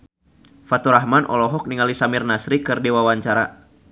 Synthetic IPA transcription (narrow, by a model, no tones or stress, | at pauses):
fat̪uɾaɦmanʔɔ̰lɔɦɔk̚niŋalisamirnasɾikɨrdiwawaɲt͡ʃaɾa